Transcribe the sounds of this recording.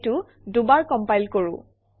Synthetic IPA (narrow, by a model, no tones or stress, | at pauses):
tʊ | dubaɹkɔmpajlkoɹũ